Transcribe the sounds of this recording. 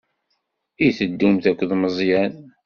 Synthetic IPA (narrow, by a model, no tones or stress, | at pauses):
iθəd̪ːumθækʷːðməzˤjæn